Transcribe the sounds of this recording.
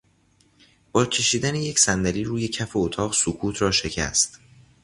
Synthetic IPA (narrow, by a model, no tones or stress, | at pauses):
b̥ɒːcʰe̞ʃiːd̪æneje̞cʰsænd̪æliːɾuːje̞cʰæfo̞ot̪ʰɒːɣsokʰuːt̪ʰrɒːʃe̞cʰæ̰st̪